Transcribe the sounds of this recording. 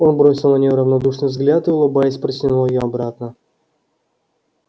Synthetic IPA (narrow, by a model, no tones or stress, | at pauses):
o̞nbɾo̞sʲɪlˠnənʲɪjoɾəvnɐd̪uʂnɨjvzɡlʲat̪ɨʊlˠʊbajɪsʲpɾəsʲɪnulˠjɪjoɐbɾat̪nə